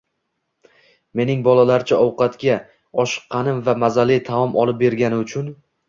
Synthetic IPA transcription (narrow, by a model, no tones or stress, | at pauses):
me̞nɪŋbɒlˠalaɾt͡ʃʰaɒwqɑt̪kʲa | ɒʃɨ̥qʰːɑnɪmvamazalit̪ʰaɒmʔɒlˠɪp̚be̞ɾɡʲanɪʊt͡ʃʰʊn